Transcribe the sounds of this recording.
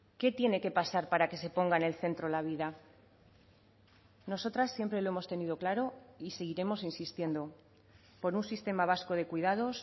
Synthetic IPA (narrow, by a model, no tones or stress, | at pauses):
ke̞t̪je̞ne̞ke̞pasaɾpaɾake̞se̞po̞ŋɡaene̞lθe̞nt̪ɾo̞laβ̞iða | no̞so̞t̪ɾasːje̞mpɾe̞lo̞e̞mo̞st̪e̞nið̞o̞klaɾo̞ise̞ɣiɾe̞mo̞sinsist̪je̞nd̪o̞ | po̞ɾunsist̪e̞maβ̞asko̞ð̞e̞kwiðað̞o̞s